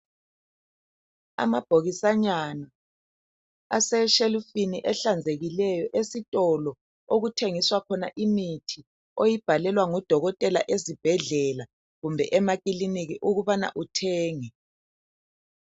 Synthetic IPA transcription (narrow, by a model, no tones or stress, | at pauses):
a̰mab̥ʱoɣisaɲana | asɛʃelufiniʔɛɬand͡zʱeɣilɛjɔʔesitʼɔlɔ | oɣutʰeŋiswakʰɔna̰ʔimitʰi | ojib̥ʱalɛlwaŋɔd̥ʱɔɣɔtʼɛlaʔezib̥ʱɛɮɛla | ɣumbʱɛʔɛmakʼiliniɣiʔuɣuβana̰ʔutʰɛːŋɛ